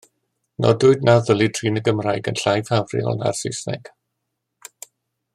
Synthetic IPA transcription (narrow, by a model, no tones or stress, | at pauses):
nʔɔ̰dʊɨd̚naðəlˠidʰr̥iːnəɡəmrajɡənɬajvhavrɪ̰ɔ̰lna̰rsɪsnɛ̰ɡ̥